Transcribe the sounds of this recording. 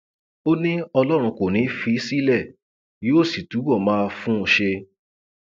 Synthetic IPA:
o˦nĩ˦ɔ˧lɔ˦ɾ̃ũ˧ko˨nĩ˨˦fi˧˦si˦lɛ˦˨ | jo˦˨si˨tu˨˦wɔ˦˨mãː˦˧fũ˦o˧˨ʃe˧

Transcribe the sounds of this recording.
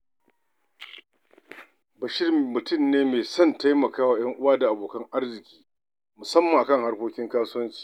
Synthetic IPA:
bɐ˨ʃɪ˦rːʊ˨tʊ˦˨mneː˦meː˨sɔ˦˨nta˦jmɐ˨kaː˦waː˨j̰ɐ˦ŋʔʊ˦waː˦da˨ʔa˨boː˨kɐ˦ŋʔa˦rzɪ˨kʲiː˦ | mʊ˨sɐ˦mːa˨ŋʔa˨kɐ˦ŋha˦rkʷoː˦kʲɪ˦ŋkaː˦sʊ˦wɐ˦nt͡ʃi̥ː˨

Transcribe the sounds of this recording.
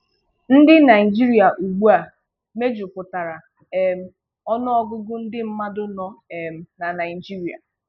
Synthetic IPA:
n̩˦dɪ˦na˨ɪ˨d͡ʒi˦ɾi˦a˨ʔu˨ɡ͡bu˦a˨ | me˦d͡ʒu˨pʊ˨ta˨ɾa˨ | e˨m̩˨ | ɔ˦nɔ˦ɔ˦ɡʊ˦ɡʊ˦n̩˦dɪ˦m̩˦ma˦dʊ˦nɔ˦˨m̩˨na˨na˨ɪ˨d͡ʒi˦ɾi˨a̰˨

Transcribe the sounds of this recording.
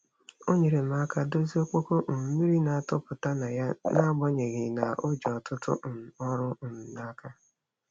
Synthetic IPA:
o˦ɲe˨ɾe˨m̩˦a˦ka˦do˦zi˦o˦k͡po˦ko˦m̩˨m̩˦mi˦ɾi˦na˨a˨tʊ˦pʊ˨ta˦na˨ja˦na˦ɡ͡bɔ˦ɲe˨ɣɪ˨na˨ʔo˦d͡ʒɔ˨tʊ˦tʊ̰˦˨ɔ˦ɾʊ˦n̩˨n̩˨na˦ka˦

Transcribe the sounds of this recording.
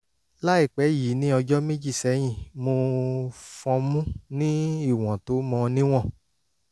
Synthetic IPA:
la˦i˦˨k͡pɛ˨˦ji˨˦nĩ˦ɔ˧d͡ʒɔ˦mĩ˦d͡ʒi˦˨sɛ˨˦j̃ĩ˦˨mo˧ | fɔ̃˧mũ˦nĩ˦i˦˨w̃ɔ̃˨to˨˦mɔ̃˧nĩ˦w̃ɔ̃˦˨

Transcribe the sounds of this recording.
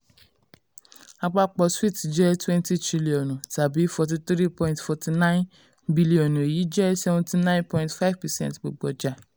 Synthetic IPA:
a˨k͡pa˦k͡pɔ˨swi˦˨td͡ʒɛ˦twɛ̃˦nti˦tɾi˦li˨ɔ˨n˨sa˨bi˨˦fɔ˨t̬i˨˦t̪ɾi˦pɔ̃˦j̃ntfɔ˨ti˨nã˦ɪ̃˦n | bi˦li˨ɔ˨n˨e˨ji˨˦d͡ʒɛ˦sɛ˦vɔ̃˦ti˦nã˦j̃npɔ̃˨˦j̃ntfa˦ɪvpɛ˨sɛ̰̃˦ntk͡po˨ɡ͡bɔ˨d͡ʒa˦˨

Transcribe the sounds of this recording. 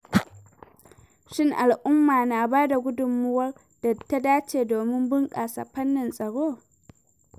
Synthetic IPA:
ʃɪ˦˨ŋʔa˨lʔʊ˦mːaː˨naː˨baː˦da˨ɡʷʊ˦dʊ˨mːʊ˦wɐ˦r | d̥a˨ta˦daː˦t͡ʃeː˨doː˨mɪ˦mbʊ˦ŋkʼaː˨sa̰˨ɸɐ˦nːɪ˨nsʼɐ˨ɽoː˦

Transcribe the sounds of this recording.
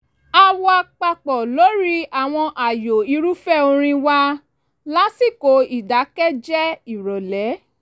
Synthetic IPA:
a˦˧wa˧k͡pa˧k͡pɔ˨lo˨˦ɾi˦a˨w̃ɔ̃˧ʔa˨jo˨i˨˧ɾu˦fɛ˦˨o˧ɾ̃ĩ˧wa˧ | la˦si˦˨ko˨˦i˦˨da˨˦kɛ˦d͡ʒɛ˦i˦˨ɾɔ˨lɛ˨˦

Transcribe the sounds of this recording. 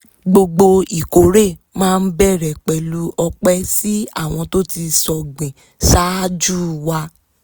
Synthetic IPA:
ɡ͡bo˧ɡ͡bo˧i˨ko˨˦ɾe˦˨mãː˦˧n̩˦bɛ˦˨ɾɛ˨k͡pɛ˨lu˧˦ʔɔ˧k͡pɛ˦si˦a̰˦˨w̃ɔ̃˧to˦ti˧sɔ˧ɡ͡bĩ˨ | ʃa˦d͡ʒu˦˨wa˧˦

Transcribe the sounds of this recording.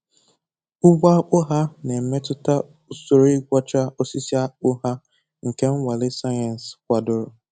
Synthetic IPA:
ʊ˦ɡ͡bʷa˦k͡pʊ˦ɦa˦ne˨me˦tʊ˦ta˦ | u˨so˦ɾi˦ɡʷɔ˦t͡ʃa˦o˦si˦si˦a˦k͡pʊ˦ɦa˦ | ŋ̩˨ke˦ŋ̩˦wʷa˨lɪ˦sa˦ja˨n˨skʷa˨dʊ˨ɾʊ˨

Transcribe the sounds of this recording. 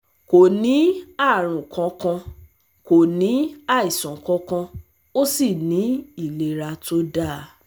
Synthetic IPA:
ko˨nĩ˨˦a˦˨ɾ̃ũ˨kʰã˨˧kã˧ | ko˨nĩ˨˦a˦˨i˨sɔ̃˨kɔ̃˧˦kã˧ | o˦si˦˨nĩ˨˦i˦˨le˧ɾa˧to˦da˦˨

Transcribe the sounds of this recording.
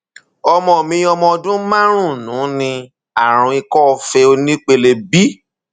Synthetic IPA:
ɔ˧mɔ̃˨mĩ˧˦ɔ˧mɔ̃˧dũ˦mã˦ɾ̃ũ˦˨nũː˨˦nĩ˧ | a˦˨ɾ̃ũ˨˧˦i˧kɔ˦˧fe˧o˧nĩ˦k͡pe˧le˧bi˦

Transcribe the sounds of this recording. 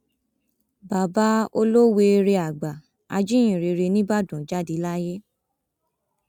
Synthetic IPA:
ba˨ba˦o˦lo˦we˧ɾe˧a˨ɡ͡ba˨ | a˧d͡ʒi˦j̃ĩ˨ɾe˧ɾe˧nĩ˦ba˦˨dũ˨˦d͡ʒa˦di˧˦la˦je˦

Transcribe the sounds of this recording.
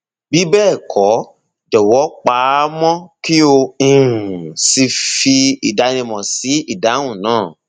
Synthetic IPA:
bi˨˦bɛː˦˨kʰɔ˨˦ | d͡ʒɔ˨wɔ˨˦k͡pa˨˦mɔ̃˦ki˦o˧ũ˨si˧fi˧i˨da˨˧nĩ˧mɔ̃˨si˨˦i˦˨da˨˦w̃ũ˦˨nãː˦˨

